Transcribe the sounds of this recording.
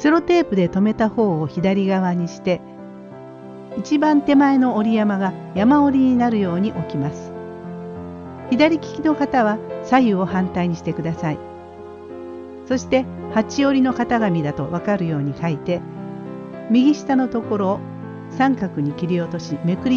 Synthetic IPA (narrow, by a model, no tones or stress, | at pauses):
se̞ɾo̞t̪e̞ːpɯ̟d̪e̞t̪o̞me̞t̪aho̞ːoçid̪aɾʲiɡaβ̞aɲ̟iɕi̥t̪e̞ | it͡ɕibãnt̪e̞mae̞no̞oɾʲijamaɡajamao̞ɾʲiɲ̟inaɾɯ̟jo̞ːɲ̟iʔo̞kʲimasɨ̥ | çid̪aɾʲikʲi̥kʲino̞kat̪aβ̞asajɯo̞hãnt̪aiɲ̟iɕi̥t̪e̞kɯ̟d̪asai | so̞ɕi̥t̪e̞hat͡ɕio̞ɾʲino̞kat̪aɡamʲid̪at̪o̞βakaɾɯ̟jo̞ːɲ̟ikait̪e̞ | mʲiɡʲiɕi̥t̪ano̞t̪o̞ko̞ɾo̞ | sãŋkakɯ̟ɲ̟ikʲiɾʲio̞t̪o̞ɕime̞kɯ̟ɾʲ